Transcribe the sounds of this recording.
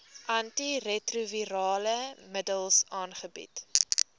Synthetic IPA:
ʔɐntirɛtruviɾɑːləmədəlˠsɑːnχəbḭt

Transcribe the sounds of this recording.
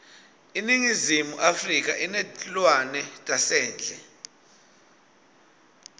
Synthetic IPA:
iniŋizimuʔafrik̬ʼa̰ʔinɛtlwanɛtʼasɛːnd͡ɮʱɛ

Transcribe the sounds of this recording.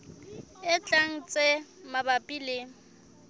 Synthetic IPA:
ɪt͡ɬʼaŋ̩t͡sʼemabapʼilɪ

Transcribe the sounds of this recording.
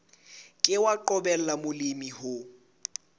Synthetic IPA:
kʼɪwaǃɔbɛl̩lamʊlimihʊ

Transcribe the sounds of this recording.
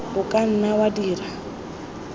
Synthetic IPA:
ʊkʼan̩nawadiːra

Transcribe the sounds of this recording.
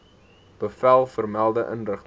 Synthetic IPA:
b̥əfælˠfərmælˠdəʔə̰nrəχt

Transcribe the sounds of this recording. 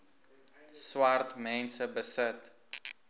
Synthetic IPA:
swartmɛ̃nsəbəsət

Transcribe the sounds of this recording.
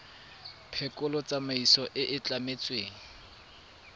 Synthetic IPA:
pʰɛkʼʊlɔt͡sʼamaisɔʔɪʔɪt͡ɬʼamet͡sʼweːŋ̩

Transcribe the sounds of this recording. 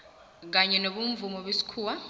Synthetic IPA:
k̬aɲɛnoβuɱvumɔβesi̥kʰuːwa

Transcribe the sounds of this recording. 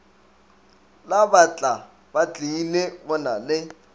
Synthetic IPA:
labat͡ɬʼa | bat͡ɬʼinebɔnalɪ

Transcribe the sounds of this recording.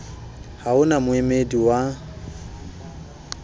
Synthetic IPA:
haʊnamʊemediwa

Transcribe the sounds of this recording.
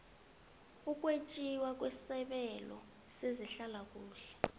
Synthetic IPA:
ukʼwet͡ʃʼiwak̬ʼwessɛɓɛlɔ̰ | seziɬalak̬ʼuːɬɛ̥

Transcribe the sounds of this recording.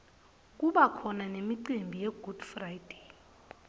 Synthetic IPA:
kʼuɓakʰɔnanemiǀembʱijɛɡ̥ʱud̥frajd̥ʱe̥

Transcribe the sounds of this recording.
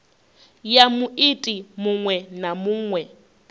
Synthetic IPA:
jamuʔitʼimuŋwɛnamuːŋwɛ

